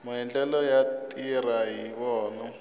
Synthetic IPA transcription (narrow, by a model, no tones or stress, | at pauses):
muɛnd͡ɮɛlɔjatʼiraɦiβɔːnɔ